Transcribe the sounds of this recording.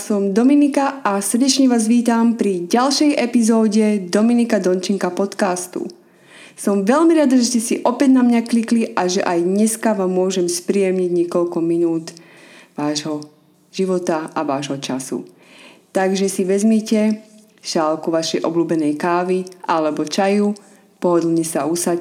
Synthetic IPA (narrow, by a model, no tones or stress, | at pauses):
sɔmd̪ɔminikaʔasr̩ɟɛt͡ʃɲɛʋaːzʋiːt̪ampɾiɟalʃɛjʔɛpizɔːɟɛd̪ɔminikad̪ɔnt͡ʃiŋkapɔt̪kast̪ṵ | sɔmʋɛʎmiɾad̪aʒɛscɛsiʔɔpɛɟnamɲaklikliʔaʒɛʔajdɲɛskaʋaːmːʊɔʒɛmspɾiɛmɲiɟɲɪɛkɔʎkɔminuːt̪ | ʋaːʒɦɔ | ʒ̥iʋɔt̪aaʋaːʒɦɔt͡ʃasṵ | t̪aɡʒɛsiʋɛzmicɛ | ʃaːlkuʋaʃɛjʔɔ̰bluːbɛnɛjkaːʋiʔalɛbɔt͡ʃaju | pɔɦɔd̪l̩ˠɲɛsausac